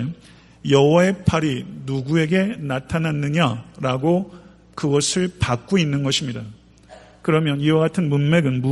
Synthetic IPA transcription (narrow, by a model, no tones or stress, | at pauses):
jʌwʌe̞pʰaɾinuɡue̞ɡe̞natʰananːɯɲaɾaɡo | kɯɡʌsʰɯɭpak̚k͈oinːɯnɡʌɕʰimɲida | kɯɾʌmjʌniwaɡatʰɯnmunme̞ɡɯnmu